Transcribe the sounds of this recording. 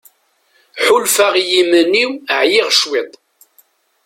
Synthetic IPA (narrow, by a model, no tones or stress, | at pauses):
ħulfaʁjiməniwəʕjɪʁʃwɪd̪ˤ